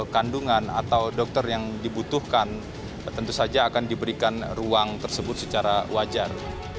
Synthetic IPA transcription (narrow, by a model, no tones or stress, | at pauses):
kanduŋana̰t̪awdɔk̚t̪ərjaŋdibut̪uhkan | t̪ənt̪usad͡ʒaːkandibəɾikanruaŋt̪ərsəbʊt̪̚sət͡ʃaɾawad͡ʒar